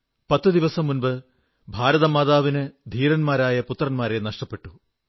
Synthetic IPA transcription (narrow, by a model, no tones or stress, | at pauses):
pɐt̪ːɨd̪iʋɐsɐmːunbɨ | bʱaːɾɐðɐmaːðaːʋinɨd̪ʱiːɾɐnmaːɾaːjɐput̪rɐnmaːɾe̞nɐʂʈɐpːe̞ʈːu